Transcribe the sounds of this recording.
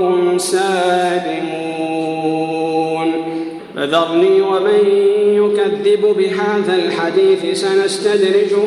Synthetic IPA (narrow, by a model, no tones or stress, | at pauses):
saːlɪmu | n | ba̰ðɑɾˤniːwamanjʊkaðːɪbbɪɦaːðalħad̪iːθsanast̪ad̪ɾɪd͡ʒ